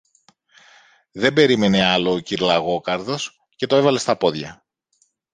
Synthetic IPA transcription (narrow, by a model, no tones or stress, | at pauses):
ðe̞be̞ɾime̞ne̞ɐlo̞ːciɾlɐɣo̞kɐɾðo̞s | ce̞t̪o̞evɐle̞st̪ɐpo̞ðʝɐ